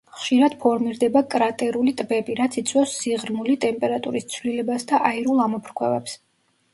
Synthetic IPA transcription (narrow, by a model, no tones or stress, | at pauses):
χʃiɾad̪̥pʰɔɾmiɾd̪ɛbakʼɾat̪ʼɛɾulit̪ʼbɛbiɾat̪sʰit̪sʰʼwɛfsːiʁɾmulit̪ʼɛmpʼɛɾat̪ʼuɾist̪sʰvlilɛbasd̪aʔaiɾulˠamɔpʰɾkʰwɛ̰vɛ̰ps